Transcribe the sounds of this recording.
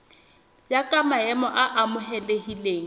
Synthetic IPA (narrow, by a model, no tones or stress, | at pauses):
jakʼamaɛmɔʔaʔamʊɦɛlehileːŋ̩